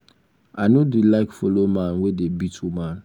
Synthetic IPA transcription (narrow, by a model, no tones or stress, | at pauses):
anodilaɪkfɔlomãnwedebitʰumãn